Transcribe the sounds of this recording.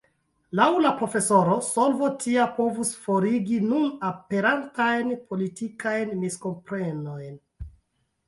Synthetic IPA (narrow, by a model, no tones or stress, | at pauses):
lawlapɾo̞fe̞so̞ɾo̞so̞lvotʰiapo̞vusfo̞ɾiɡinunape̞ɾantajnpʰo̞litikajnmisko̞mpɾeno̞jn